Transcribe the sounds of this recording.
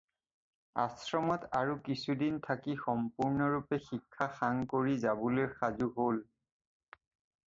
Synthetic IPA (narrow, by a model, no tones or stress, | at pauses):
a̰sɹɔmɔtaɹukisudintʰakixɔmpuɹnɔɹupɛxikʰːaxaŋkoɹizabɔlojxazuɦol